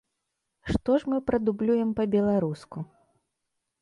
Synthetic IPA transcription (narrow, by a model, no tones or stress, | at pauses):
ʂt̪ɔʂmɨpɾɐd̪ublʲujɛmpɐbʲɛlˠaɾusku